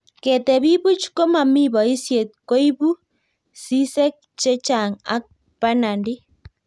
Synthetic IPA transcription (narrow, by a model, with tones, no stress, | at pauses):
ke˨te˨βi˦βu˦t͡ʃi̥˦ko˦ma˨mi˦βɔ˨i˦sje˨t̚ko˦i˦βu˦ | si˦se˦k̚ | t͡ʃe˦t͡ʃa˨ŋa̰˦k̚ | pa˦na˨ndi˦